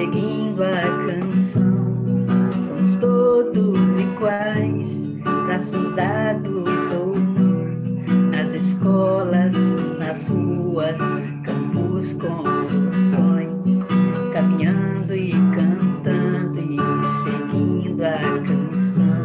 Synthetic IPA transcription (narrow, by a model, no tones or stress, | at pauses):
eɡĩd̪ʊakɐ̃sɐ̃w̃ | sõmʊst̪od̪ʊziɡwajs | pɾasuzd̪ad̪ʊzownuɾɐzɪskɔlɐsnɐzhuɐs | kɐ̃puskɐ̃w̃ʊsewsõjʊkamĩɲɐ̃d̪ʊɪkɐ̃t̪ɐ̃d̪ʊɪseɡĩd̪ʊakɐ̃sɐ̃w̃